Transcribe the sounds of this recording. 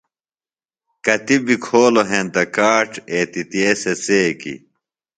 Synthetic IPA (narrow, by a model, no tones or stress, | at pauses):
kɐt̪ibikʰoːloɦẽnt̪ɐkaːʈeːt̪it̪ieːseseːkḭ